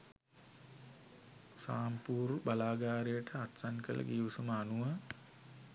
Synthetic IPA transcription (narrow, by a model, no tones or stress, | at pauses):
saːmpuːɾbalaːɡaːɾejəʈəat̪sankə̰lə̰ɡiʋusuməanuʋə